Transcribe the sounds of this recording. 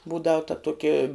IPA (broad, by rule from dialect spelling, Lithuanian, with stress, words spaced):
ˈbuːdɐʊ tɐ ˈtuɔkʲɪ